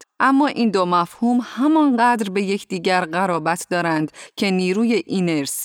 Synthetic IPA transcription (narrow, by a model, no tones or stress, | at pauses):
ʔæmːɒːʔiːnd̪omæfhuːmhæmɒnɢæd̪ɾbe̞je̞cʰd̪iːɟæɾɢæɾɒːbæt̪ʰd̪ɒːɾænd̪cʰe̞niːɾuːjeʔineɾs